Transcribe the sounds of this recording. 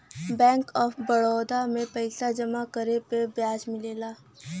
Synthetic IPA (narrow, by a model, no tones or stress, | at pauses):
bɛ̃ːŋkɔːfʰbɐɽɔːd̪amẽpɐɪsad͡ʒɐmakəɾepebjaːd͡ʒmɪleːlaː